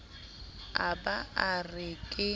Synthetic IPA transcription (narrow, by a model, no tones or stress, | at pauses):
abaarɪkʼɪ